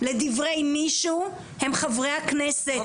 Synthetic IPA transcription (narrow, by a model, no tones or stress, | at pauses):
le̞d̪ivʁe̞jmiʃu | he̞mχavʁeakneset